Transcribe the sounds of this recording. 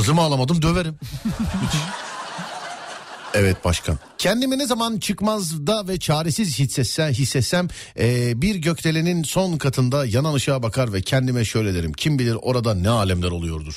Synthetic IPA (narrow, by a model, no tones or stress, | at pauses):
hɯzlɯmaːlˠamad̪ɯmd̪øveɾim | ɛvɛt̪̚baʃkʰa̰ncʰɛnd̪iminezamant͡ʃʰɯkmazd̪avɛt͡ʃʰaːɾesizhisːɛt̪sænɦisːɛt̪sæm | ɛːbiɾɟø̞cʲlʰelʲininso̞nkʰat̪ʰɯnd̪ajananɯʃaabakʰaɾvɛcʰɛnd̪imɛʃø̞jlʲed̪eɾḭmcʰimbilʲiɾo̞ɾad̪anɛaːlʲɛmlʲæɾo̞lˠujo̞ɾd̪uɾ̥